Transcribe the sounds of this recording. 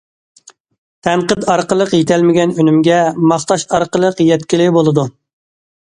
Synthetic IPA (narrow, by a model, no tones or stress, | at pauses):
t̪ʰɛɴqət̪ɑɾqəlˠəqjet̪ʰɛlmɪɡʲɛnønymɡʲɛmɑχt̪ɑʃt̪ɑɾqəlˠəqjɛt̪kʲilɪbolˠɨd̪u